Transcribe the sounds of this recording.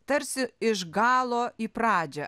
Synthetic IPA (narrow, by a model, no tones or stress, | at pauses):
t̪ɐɾʲsʲɪɪʒɡɑːlˠoːiːpɾɑːd͡ʒʲɛ